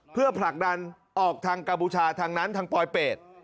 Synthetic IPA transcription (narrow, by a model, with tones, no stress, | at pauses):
pʰɯ˥˩ɐpʰla˨˩k̚da˧n | ʔɔː˨˩k̚t̪ʰaː˧ŋka˧mpuː˧t͡ɕʰaː˧t̪ʰaː˧ŋna˦˥nt̪ʰaː˧ŋpɔː˧jpeː˨˩t̪̚